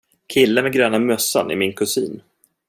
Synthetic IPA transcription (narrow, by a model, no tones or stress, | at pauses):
kʰɪlːəmɛɡɾøːnamœsːa̰nɪ̰mɪnkʰɵsḭːn